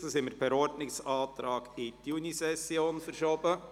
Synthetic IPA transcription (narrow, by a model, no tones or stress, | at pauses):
sosɪməɾbɛɾɔɾdnɪksɑːt̪ɾɑːɡɪtjunisɛsjoːnfəɾʃobə